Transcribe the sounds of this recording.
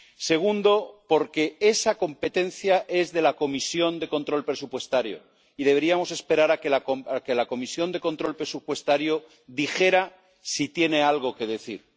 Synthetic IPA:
se̞ɣ̞und̪o̞po̞ɾke̞e̞sako̞mpe̞t̪ẽ̞nθjaʔe̞zðe̞lako̞misjo̞nd̪e̞ko̞nt̪ɾo̞lpɾe̞supwe̞st̪aɾjo̰ | iðe̞β̞e̞ɾiamo̞sespe̞ɾaɾakelakoake̞lako̞misjo̞nd̪e̞ko̞nt̪ɾo̞lpɾe̞supwe̞st̪aɾjo | ðixe̞ɾa | sit̪je̞ne̞alɣ̞o̞ke̞ðe̞θḭɾ

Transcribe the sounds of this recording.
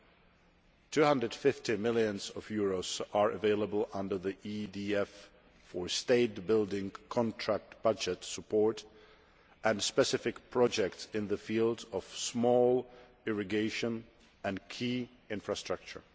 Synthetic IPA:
tʰʉhʌ̃ndɹəd̥fɪftimɪlˠjɨ̃nzʌvjʊɹoʊz̥ə˞ʔɨveɪlˠəbəl̩ˠʌ̃ndə˞ðiʔidiɛfː | ə˞steɪt̚b̥ɪlˠdɪ̃ŋkʰɑ̃ntʰɹ̥æk̚t̚b̥ʌd͡ʒɨtsəpʰɔɹt | ʔɨ̃nspɛsɪfɨkpʰɹ̥ɑd͡ʒɛk̚tsɪ̃nðɨfilˠdʌv̥smɔlˠ | ɪɹɨɡeɪʃɨ̃n | ɨ̃nkʰi | ɪ̃ɱfɹɨstɹ̥ʌk̚t͡ʃə̰˞

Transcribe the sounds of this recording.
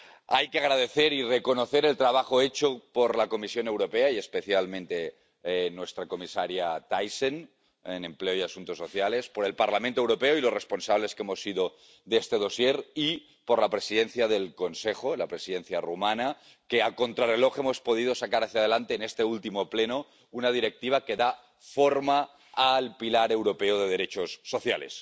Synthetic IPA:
ajkeaɣɾað̞e̞θeɾireko̞noθe̞ɾe̞lt̪ɾaβ̞axoet͡ʃopoɾlako̞misjone̞wɾopeaiespe̞θjalmẽnt̪e | nwe̞st̪ɾako̞misaɾjat̪ajsen | ene̞mpleojasunt̪osːo̞θjale̞spoɾe̞lpaɾlamẽnt̪owɾo̞peoilosre̞sponsaβ̞le̞skemo̞siðo | ðeest̪e̞ð̞o̞sjeɾi | poɾlapɾe̞siðenθjaðe̞lkonsexoelapɾe̞siðe̞nθjarumana | keako̞nt̪ɾare̞lo̞xemo̞spo̞ð̞ið̞o̞sakaɾaθjað̞elant̪eːnest̪e̞ult̪imopleno̞ | unað̞iɾek̚t̪iβ̞ake̞ða | fo̞ɾmaː | lpilaɾe̞wɾopeoð̞eð̞e̞ɾet͡ʃosːo̞θjale̞̰s

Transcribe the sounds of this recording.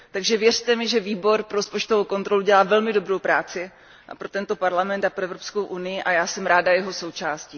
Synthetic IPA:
t̪aɡʒɛvjɛrt̪ɛmɪʒɛviːbo̞ɾpɾospo̞t͡ʃt̪o̞vowko̞nt̪ɾo̞luɟɛlaːvɛlmɪdo̞bɾo̞wpɾaːt͡sɪ | ʔa̰pɾo̞t̪ɛnt̪o̞paɾlamɛnt̪apɾoɛvɾo̞psko̞wʔunɪjɪʔajaːsɛmɾaːdajɛɦo̞so̞wt͡ʃaːsciː

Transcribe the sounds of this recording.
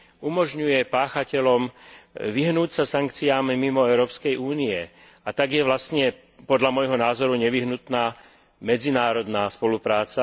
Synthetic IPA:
umɔʒɲujɛpaːxacɛʎɔmʋiɦnuːcsasaŋkt͡siaːmːimɔɛʊɾɔːpskɛjʔuːniɛ | at̪aɡjɛʋlastɲɛ | pɔd̪ʎamɔjɦɔnaːzɔɾuɲɛʋiɦnut̪naː | mɛd͡zinaːɾɔd̪naːspɔlupɾaːt͡sa

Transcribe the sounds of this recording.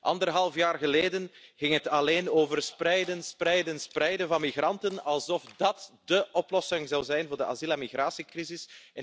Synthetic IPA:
ʔɑ̰ndərɦɑlˠfjaːrɣəleːdənɣɪŋɦətɑleːnoːvərsprɛjdənsprɛjdənsprɛjdənvɑnmiɣrɑntənɑlˠzɔfdɑtdəʔɔplɔsɪŋzɑwzɛjnvʊːrdəʔa̰zilamiɣraːsikrizɪsɛ

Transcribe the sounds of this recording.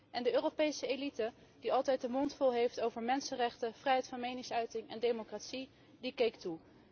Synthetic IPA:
ʔɛndəøːropejsəejlitə | diɑlˠtɛjt̚dəmɔntfɔlˠɦejftowvəɹmɛnsənrɛχtəv̥rɛjɦɛjtfɑnmejnɪŋsœɥtɪŋɛndejmokratsi | dikejktu

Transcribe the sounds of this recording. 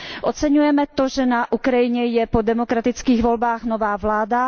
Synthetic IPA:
ʔot͡sɛɲujɛmɛt̪oʒɛnaʔukɾajɪɲɛjɛpodɛmokɾat̪ɪt͡skiːɣvolbaːxnovaːvlaːda

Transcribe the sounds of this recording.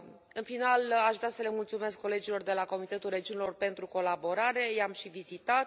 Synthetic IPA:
ɨnfinalaʃvɾeasəle̞mult̪sume̞skːo̞le̞d͡ʒilo̞rd̪e̞lako̞mit̪e̞t̪ulre̞d͡ʒiunelo̞rpe̞nt̪ɾuko̞labo̞ɾaɾe̞jamʃivizit̪at̪

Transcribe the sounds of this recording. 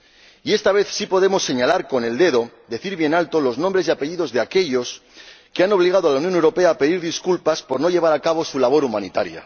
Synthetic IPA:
ie̞st̪aβ̞e̞θsipo̞ð̞e̞mo̞sːe̞ɲalaɾko̞ne̞ld̪e̞ðo̞ | d̪e̞θiɾβje̞nalt̪o̞lo̞znõmbɾe̞zeape̞ʎiðo̞zðe̞ake̞ʎo̞s | keano̞β̞liɣ̞að̞oalaunjonewɾo̞pe̞aːpe̞ðiɾðiskulpaspo̞ɾno̞ʎe̞β̞aɾakaβ̞o̞sulaβo̞ɾumãnit̪aɾja̰

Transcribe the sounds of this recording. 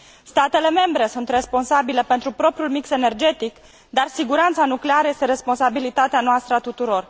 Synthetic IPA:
st̪at̪e̞le̞me̞mbɾe̞sunt̪re̞spo̞nsabilepe̞nt̪ɾupɾo̞pɾjulmikse̞ne̞rd͡ʒe̞t̪ik | d̪arsiɡuɾant̪sanukleaɾəje̞st̪e̞ɾe̞spo̞nsabilit̪at̪eanoast̪ɾəat̪ut̪uɾo̞r

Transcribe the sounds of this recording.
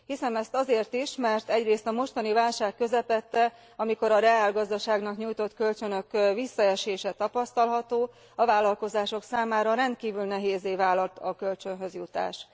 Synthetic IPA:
hisɛmɛst̪ɒzeːrt̪iʃmɛrt̪ɛɟreːst̪ɒmo̞ʃt̪ɒnivaːlʃaːkːø̞zɛpɛt̪ːɛ | ɒmiko̞ɾɒɾɛaːlɡɒzd̪ɒʃaːɡnɒkɲuːjt̪o̞t̪kø̞lt͡ʃønø̞kvisːɒɛʃeːʃɛt̪ɒpɒst̪ɒlɦɒt̪oː | ɒvaːlɒlko̞zaːʃo̞ksaːmaːɾɒɾɛnt̪̚kiːvylnɛɦeːzeːvaːlɒlt̪ɒkø̞lt͡ʃønɦø̞zjut̪a̰ːʃ

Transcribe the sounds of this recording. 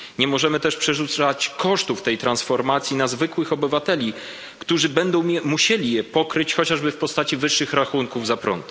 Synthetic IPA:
ɲɛmɔʐɛmɘt̪ɛʂpʂɛʐut̪sat͡ɕkɔʂt̪uft̪ɛjt̪ɾansfɔɾmat̪sʲjinazvɘkwɘxɔbɘvat̪ɛlʲi | kt̪uʐɘbɛnd̪ɔ̃w̃ɛmuɕelʲijɛpɔkɾɘt͡ɕxɔt͡ɕaʐbɘfpɔst̪at͡ɕivɘʂːɘxɾaxuŋkuvzapɾɔ̰nt̪

